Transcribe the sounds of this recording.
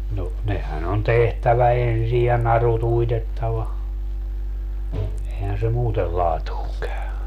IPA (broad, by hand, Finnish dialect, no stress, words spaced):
no nehæn on tehtæʋæ ensij jɑ nɑrut uitetːɑʋɑ ehæn se muːtel lɑːtuːŋ kæy